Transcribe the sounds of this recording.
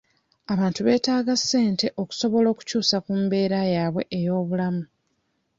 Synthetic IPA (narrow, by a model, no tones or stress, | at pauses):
aβaːntuβe̞ːtaːɡasːe̞ːnte̞ʔo̞ku̥so̞βo̞lo̞ːku̥cuːsakumbe̞ːɾajaːβwe̞ʔejo̞ːβulamu